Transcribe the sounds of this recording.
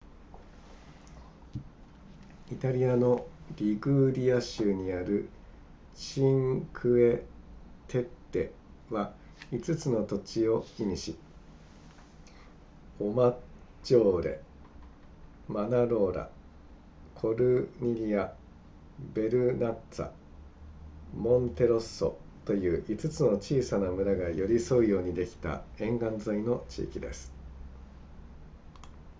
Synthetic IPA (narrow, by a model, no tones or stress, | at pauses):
it̪aɾʲiano̞ɾʲiɡɯ̟ːɾʲiaɕɨːɲ̟iaɾɯ̟ | ɕĩŋkʰɯ̟e̞t̪ʰe̞t̪ːe̞ | βa | it͡sɨt͡sɨno̞t̪o̞t͡ɕio̞iɲiɕi | omat͡ɕo̞ːɾe̞̰ | manaɾo̞ːɾa̰ | kʰo̞ɾɯ̟ɲ̟iɾʲia | be̞ɾɯ̟nat͡sa̰ | mõ̞nt̪e̞ɾo̞sːo̞̰t̪o̞jɯ̟ːʔit͡sɨt͡sɨno̞t͡ɕiːsanamɯ̟ɾaɡajo̞ɾʲiso̞ɯjo̞ːɲ̟id̪e̞kʲi̥t̪a̰ẽ̞ŋɡãnd͡zaino̞t͡ɕḭːkʲid̪e̞sɨ̥